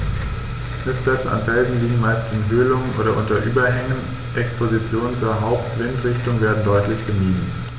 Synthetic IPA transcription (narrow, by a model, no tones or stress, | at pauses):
fnɪsplɛt͡səa̰nfɛlzn̩liːɡŋ̩maɪstɪnɦøːlʊŋənʔo̰ːɾɐʔʊntɐʔyːbɐɦɛŋən | ʔɛkspʰozit͡sjoːnənt͡suːɐɦaʊptv̥ɪntʁ̥ɪçtʊŋveːɐdn̩dɔʏtlɪçɡ̥əmiːdn̩